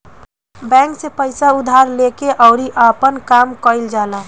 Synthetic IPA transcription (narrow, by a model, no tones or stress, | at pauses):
bɛ̃ːŋksepəɪsaʊd̪ʱaɾlekeʔɔʊɾiʔapənkamkəɪld͡ʒaːla